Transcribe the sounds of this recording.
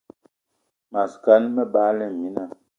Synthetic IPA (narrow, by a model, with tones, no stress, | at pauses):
ma˨ska˦nmə˦baː˦lɛ˦˨mi˦na˦˨